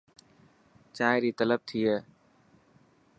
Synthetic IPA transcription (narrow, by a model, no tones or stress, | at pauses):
t͡ʃaːɪɾiːt̪ələb̚t̪ʰiːɦɛː